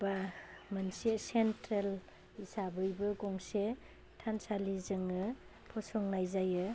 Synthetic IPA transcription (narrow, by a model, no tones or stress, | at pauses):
bamɯnsesentɾel | isabɯjbɯɡɔŋse | tʰansalizɯŋɯ | pʰɔsɔŋnajzajɯ